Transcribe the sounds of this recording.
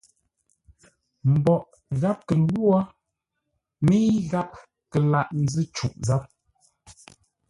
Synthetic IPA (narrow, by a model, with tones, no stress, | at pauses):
m̩˨bɔ˨ʔ | ɣa˦p̚kə˨˦ɡwa˦ | mi˦ɣa˦p̚ | kə˨la˦˨ʔn̩˨zɨ˦t͡ʃu˨ʔza˨˦p̚